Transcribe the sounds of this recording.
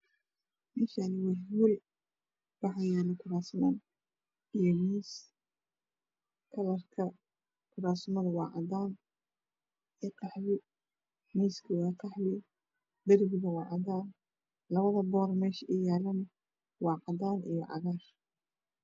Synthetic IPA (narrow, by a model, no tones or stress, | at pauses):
mɪːʃanɪwɑwul | b̥ɑħɑjɛːlɪkʰʊɾaːsmɐn | ijɔmiːs | kʰɐlɐrkʰɐ | kʰʊɾaːsmɐðɐwɑːʕɑ̰d̪aːn | ɛt̪ɑħβɪ | miːskʰɐwɑːt̪ʰɑħlɪ | b̪ɐɾwɪɣɐwɑːʕɑd̪aːn | lɐβɐðɐbɔːrmɛːʃʔɪjaːlɐnɐ | wɑːqɑd̪aːnḭjɔʕɑ̰ɣaːr